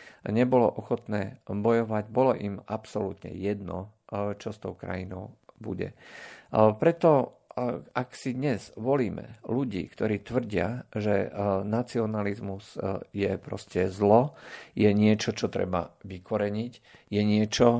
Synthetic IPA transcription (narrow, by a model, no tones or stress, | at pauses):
ɲɛbɔlɔ̰ʔɔxɔt̪nɛːbɔjɔʋaɟbɔlɔʔimapsɔlut̪ɲɛ̰jɛd̪nɔ̰t͡ʃɔst̪ɔʊkɾa̰jinɔ̰ʊbṵɟɛ̰ | pɾɛt̪ɔ | ʔaksid̪ɲɛz̥ʋɔliːmɛ̰luɟḭːkt̪ɔɾiːt̪ʋr̩ɟɪa̰ʒɛnat͡siɔnalizmuz̥jɛpɾɔ̰scɛzlɔjɛɲɪɛt͡ʃɔt͡ʃɔt̪ɾɛ̰ba̰ʋikɔɾɛɲic | jɛɲɪɛt͡ʃɔ